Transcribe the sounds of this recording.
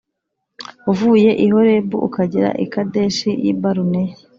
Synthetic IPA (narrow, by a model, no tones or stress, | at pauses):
uvuːje̞ʔiɦo̞ɾe̞buʔukaɟiɾa̰ʔḭkade̞ʃijḭbaɾune